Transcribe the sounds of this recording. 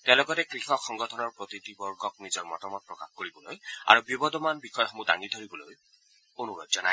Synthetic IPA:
t̪elɔɡɔtekɹixɔxɔŋɡɔtʰɔnɔɹpɹot̪it̪ibɔɹɡɔknizɔɹmɔtɔmɔt̪̚pɹɔkaxkoɹibɔloja̰ɹubibɔd̪ɔmanbixʰɔjɔxɔmuda̰ŋid̪ʱoɹibɔloj | onuɾɔ̰td͡ʒɔna

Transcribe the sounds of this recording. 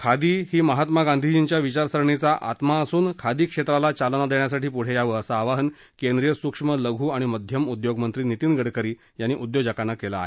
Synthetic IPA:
kʰad̪iːɦiːməɦat̪maɡand̪ʱid͡ʑint͡ɕjaʋit͡ɕaɾsəɾɳit͡saʔat̪maəsuːnkʰad̪iːkʂet̪ɾalat͡ɕalnad̪eɳ̃jasaʈiːpuɽ̤ejaʋəəsaːʋaɦən | kẽnd̪ɾijəsukʂmələɡʱuːaɽ̃iməd̪ʱjəmud̪joɡmənt̪ɾiːnit̪iːnɡəɽkəɾiː | janːiːʔud̪jod͡ʑakanːakela̰ːɦe

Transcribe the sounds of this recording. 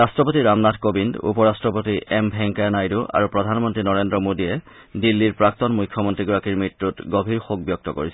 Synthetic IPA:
astɹɔpotiɹamnadkobindṵpɔɹastɹɔpotiʔɛmbʱɛŋkajnajduʔa̰ɹupɹɔdʱanmɔntɹinɔɹendɹɔmodijɛ | dilːiɹpɹak̚tɔnmujkʰːjɔmɔntɹiɡɔɹakiɹmitːutɡobʱiɹxok̚bjɔk̚tɔko̰ɹis

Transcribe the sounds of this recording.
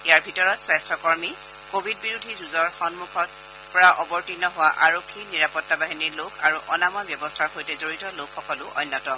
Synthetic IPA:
ejaɹbʱitɔɹɔtswastʰɔkɔɹmi | kobʱid̚biɹudʱizuzɔɹxɔnmukʰɔt | pɔɹaʔɔbɔɹtinɔɦʊwaʔaɹokʰːiniɹapɔtːabaɦinilokʰaɹuʔɔnamɔjbjɔbɔstʰaɹxojtɛzoɹitɔlokʰːɔkɔlʊʔɔ̰jnːɔtɔ

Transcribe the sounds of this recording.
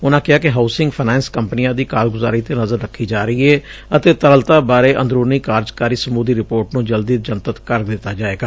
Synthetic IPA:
ʊnãːkɪɦaːkɪɦaːsɪŋɡpʰɪnɛ̃ːnskəmpnijãːd̪iːkaːlɡʊza̰ːɾiːt̪eːnəzəɾːəkʰːiːd͡ʒaːɾəiːɛːət̪eːt̪əɾəlt̪aːbaːɾeːʔə̰nd̪ɾuːɾniːkaːɾzkaːɾiːsəmuːd̪iːɾɪpoːɾʈnũːd͡ʒəld̪iːd͡ʒənt̪ət̪kəɾd̪ɪt̪ːaːd͡ʒaːeːɡaː

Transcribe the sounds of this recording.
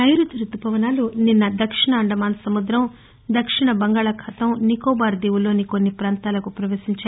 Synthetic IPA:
ɐjɾut̪uɾut̪ːupɐʋɐnaːluninːɐd̪ɐkʂiɳɐːɳɖɐmaːnsɐmud̪ɾɐm | d̪ɐkʂiɳɐbɐŋɡaːɭɐkʰɐt̪ɐmnikɔːbaːɾd̪iːʋulo̞ːniko̞nːipɾaːnt̪aːlɐkupɾɐʋeːsiɲt͡ʃaː

